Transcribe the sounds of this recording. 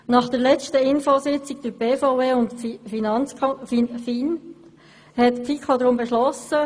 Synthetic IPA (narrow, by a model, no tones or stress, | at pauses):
nɑχd̥əɾlɛt͡ʃtəɪnfosɪt͡sɪɡ̚d̥øbefoʊeʊntifinɑnt͡skfinfin | hɛtpfikʰod̪ɾʊmbeʃlɔsə